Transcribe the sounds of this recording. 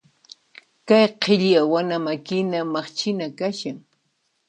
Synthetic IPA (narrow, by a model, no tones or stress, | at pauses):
kajqʰɪʎjawanamakɪnamɑχt͡ʃɪnakaʃaŋ